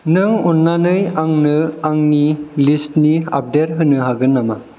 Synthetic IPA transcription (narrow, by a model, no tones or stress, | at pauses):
nɯŋunːanɯjaŋnɯaŋnilistnia̰p̚deɾ̚ɦɯnɯɦaɡɯnːama